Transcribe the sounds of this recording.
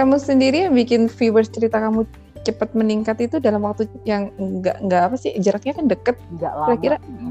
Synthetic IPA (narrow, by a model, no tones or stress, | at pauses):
kamusəndiɾiaŋbikɪnfiwərst͡ʃəɾit̪akamu | t͡ʃəpət̪̚məniŋkat̪it̪udalamwak̚t̪ujaŋɡaʔŋɡaʔːpasɪhd͡ʒəɾak̚ɲaːkandəkət̪̚aiɾakiɾa